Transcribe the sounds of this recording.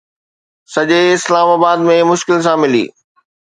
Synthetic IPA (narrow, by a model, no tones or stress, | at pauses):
sɐʄeɪslaːmaːbaːd̪mẽmʊʃkɪls̬ãmɪlḭː